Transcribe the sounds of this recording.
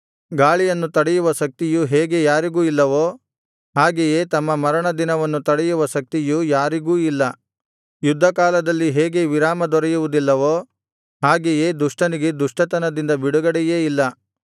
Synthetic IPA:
ɡaːɭijɐnːut̪ɐɽɛjuʋɐʃɐk̚t̪ijuɦeːɡe̞jaːɾiɡuːilːɐʋoː | ɦaːɡeje̞ːt̪ɐmːɐmɐɾɐɳɐd̪inɐʋɐnːut̪ɐɽɛjuʋɐʃɐk̚t̪ijujaːɾiɡuːilːɐ | jud̪ʱːɐkaːlɐd̪ɐlːiɦeːɡe̞ʋiɾaːmɐd̪ɔɾɛjuʋud̪ilːɐʋoː | ɦaːɡeje̞ːd̪uʂʈɐniɡe̞d̪uʂʈɐt̪ɐnɐd̪ind̪ɐbiɽuɡɐɽɛje̞ːilːɐ

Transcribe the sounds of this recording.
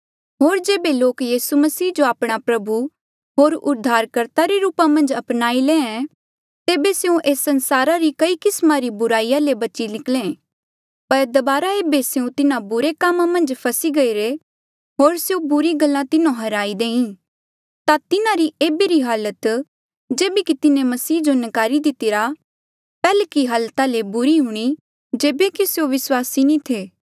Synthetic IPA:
ɦoːɾd͡ʒeːbeloːkjiːsuməsiːd͡ʒoaːpɽ̃apɾɐbu | ɦoːɾʊd̪ʱːaːɾkəɾt̪aɾeɾuːpamɐ̃nd͡ʒɐpnaːilẽːɛ̃ | t̪eːbeseũʔeːsːɐ̃nsaːɾaɾikɐikɪsmãɾibʊɾaːijalebɐt͡ʃinɪklẽ | pɐɾd̪ɐbaːɾaeːbeseũt̪ɪnãbʊɾekaːmãmɐ̃nd͡ʒpʰɐsiɡɐiɾe | ɦoːɾseobʊɾiɡɐlːãt̪ɪnõɦɐɾaːid̪ẽːĩ | t̪at̪ɪnãɾieːbeɾiɦaːlət̪ | d͡ʒeːbekit̪ɪnẽmɐsiːd͡ʒonɪkaːɾid̪ɪt̪iɾa | pɛːlekiɦaːlt̪alebʊɾiɦʊɽ̃i | d͡ʒeːbekiseoʋɪswaːsinĩt̪ʰeː

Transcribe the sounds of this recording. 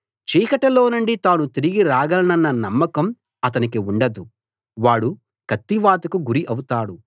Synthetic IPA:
t͡ʃiːkɐʈɐloːnuɳɖit̪aːnut̪iɾiɡiɾaːɡɐlɐnɐnːɐnɐmːɐkɐm | ɐt̪̬ɐnikiuɳɖɐd̪u | ʋaːɽu | kɐt̪ːiʋaːt̪ɐkuɡuɾiʔɐwut̪aːɽu

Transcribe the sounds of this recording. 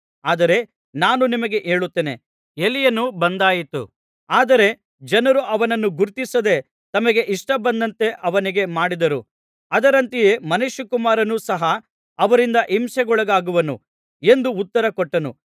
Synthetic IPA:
aːd̪ɐɾe̞ | naːnunimɐɡe̞ʔe̞ːɭut̪ːeːne | elːijɐnubɐnd̪aːjit̪ṵ | aːd̪ɐɾe̞ | d͡ʒɐnɐɾuʔɐʋɐnɐnːuɡuɾt̪isɐd̪e̞ | t̪ɐmɐɡe̞ʔiʂʈɐbɐnd̪ɐnt̪e̞ʔɐʋɐniɡe̞maːɽid̪ɐɾu | ɐd̪ɐɾɐnt̪ije̞mɐnuʃɐkumaːɾɐnusɐɦɐ | ɐʋɐɾind̪ɐʔimʃɐɡɔɭɐɡaːɡuʋɐnṵ | e̞nd̪uːt̪ːɐɾɐkɔʈːɐnṵ

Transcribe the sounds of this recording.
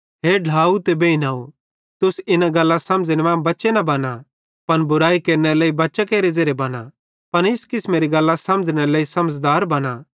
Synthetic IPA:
ɦeːɖʱaːut̪ebeːinaːo | t̪ʊsɪnaɡɐlːãsɐ̃md͡znmãːbɐtːʃenɐbɐna | pɐnbʊɾaːikeːɾneɾleːibɐtːʃakeːɾed͡zɐɾebɐna | pɐnɪskɪsmẽːɾiɡɐlːasɐməd͡zñeɾleːisɐməd͡zd̪aːɾbɐna

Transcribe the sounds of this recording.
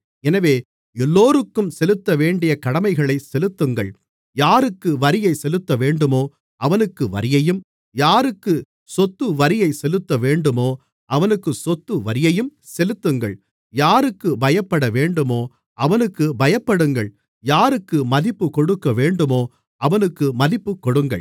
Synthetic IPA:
ɛnɐʋeː | ɛlːoːɾɯkːɯmsɛlɯt̪ːɐʋeːɳɖɪjɐkɐɽɐmɐɪɣɐɭɐɪsɛlɯt̪ːɯŋɡɐ̰ɭ | jaːɾɯkːɯʋɐɾɪjɐɪsɛlɯt̪ːɐʋeːɳɖɯmoː | ʔɐʋɐnɯkːɯʋɐ̰ɾɪjɐjɯm | jaːɾɯkːɯ | sɔt̪ːɯʋɐɾɪjɐɪsɛlɯt̪ːɐʋeːɳɖɯmoː | ʔɐʋɐnɯkːɯsɔt̪ːɯʋɐɾɪjɐjɯm | sɛlɯt̪ːɯŋɡɐ̰ɭ | jaːɾɯkːɯbɐjɐpːɐɽɐʋeːɳɖɯmoː | ʔɐʋɐnɯkːɯbɐjɐpːɐɽɯŋɡɐɭ | jaːɾɯkːɯmɐðɪpːɯkɔɽɯkːɐʋeːɳɖɯmoː | ɐʋɐnɯkːɯmɐðɪpːɯkːɔɽɯŋɡɐ̰ɭ

